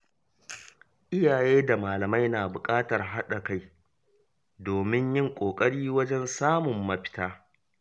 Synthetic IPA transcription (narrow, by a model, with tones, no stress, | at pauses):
ʔɪ˦jaː˨jeː˦da˨maː˨lɐ˨ma˦jnaː˨bʊ˨kʼaː˦tɐ˨rɦa˦ɗa˨ka˦˨j | doː˨mɪ˦ɲjɪ˦ŋkʷʼoː˨kʼɐ˦ɽiː˦wɐ˦d͡ʒɛ˦nsaː˦mʊ˨mːɐ˦ɸɪ̥˦taː˦